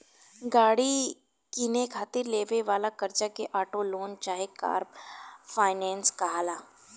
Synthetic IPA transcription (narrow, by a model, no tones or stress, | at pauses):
ɡaːɽi | kinekʰaːt̪ɪɾleːʋeʋaːlakɐɾt͡ʃakeʔaːʈoloːnt͡ʃaːɦeka̰ːɾbfaːɪnɛ̃ːnskɐɦaːlaː